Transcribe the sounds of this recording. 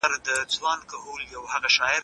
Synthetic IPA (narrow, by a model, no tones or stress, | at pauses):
aɾd̪ət͡swɑnkahuljawhaɣaʃɑɪɾ